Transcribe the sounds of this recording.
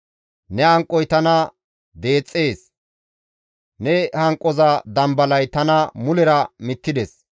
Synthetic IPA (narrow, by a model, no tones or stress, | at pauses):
nɛɐŋkʼːɔjt̪ɐnɐ | d̪e̞ːt͡sʼːe̞ːs | nɛhɐŋkʼɔzɐd̪ɐmbɐlɐjt̪ɐnɐmʊlɛɾɐmɪt̪ːɪd̪ɛs